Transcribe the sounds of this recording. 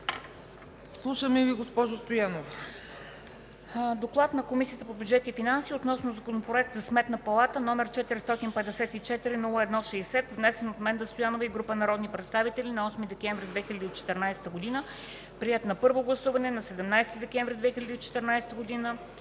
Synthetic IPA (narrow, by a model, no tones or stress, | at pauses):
slˠuʃəmɛviɡospɔʒost̪ojanov | d̪oklˠat̪nɐkomisijət̪əpobʲjudd͡ʒɛt̪ifinansiːot̪nɔsnozɐkonopɾoɛk̚t̪zɐsmɛt̪nəpɐlˠat̪ənɔmɛɾt͡ʃɛt̪iɾist̪ɔt̪inpɛɛsɛt̪it͡ʃɛt̪iɾinulˠəɛd̪nɔʃɛjsɛt̪vnɛsɛnot̪mɛnd̪ɐst̪ojanovəiɡɾupənɐɾɔd̪nipɾɛt̪st̪avit̪ɛlʲinɐɔsmid̪ɛkɛɱvɾid̪vɛxilʲɐd̪iːt͡ʃɛ̥t̪ɛɾnajsɛ̥t̪əɡʊd̪inə | pɾiɛt̪nɐpɤɾvoɡlˠɐsuvɐnɛnɐsɛd̪ɛmnajst̪id̪ɛkɛ̃ɱvɾid̪vɛxilʲɐd̪iːt͡ʃɛ̥t̪ɛɾnajsɛ̥t̪əɡod̪inə